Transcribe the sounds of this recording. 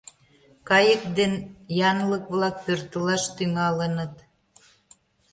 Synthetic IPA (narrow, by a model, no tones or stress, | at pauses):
kɑjək̚d̪enjɑnləkβlɑk̚pørt̪əlɑʃt̪yŋɑlənə̆t̪